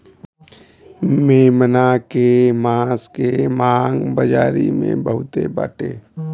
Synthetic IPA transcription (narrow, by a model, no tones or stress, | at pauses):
meːmənakemaːskemaːŋɡbəd͡ʒa̰ːɾḭmḛ̃bəɦʊt̪ḛba̰ːʈḛː